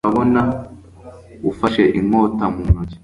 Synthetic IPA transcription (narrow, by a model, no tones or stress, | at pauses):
aβona | ufaʃeʔimoːtamuːnuzi